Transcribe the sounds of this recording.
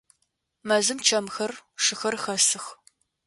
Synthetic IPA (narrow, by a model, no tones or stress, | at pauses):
mɐzɨmt͡ʃʰɐmxɐrʂɨxɐrxɐsɨx